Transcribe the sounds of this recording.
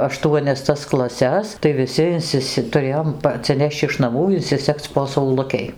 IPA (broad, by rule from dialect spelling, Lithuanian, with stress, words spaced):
ɐˈʃtuɔnʲɛs tɐs klˠɐˈsʲɛs tɐɪ ʋʲɪˈsʲɪ ɪnʲˈsʲɪsʲɪ tʊˈrʲeːjoːm pɐ ɐtʲsʲɪˈnʲɛʃʲt͡ʃʲ ɪʃ nɐˈmuː ɪnʲsʲɪˈsʲɛkʲt͡sʲ poː sɐʊˈlˠʊkʲɛɪ